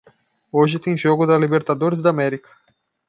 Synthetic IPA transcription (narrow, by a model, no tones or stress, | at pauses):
ɔʒit̪ĩnʒɔɡud̪alibeɾt̪ad̪oɾs̬d̪amɛɾikɐ̥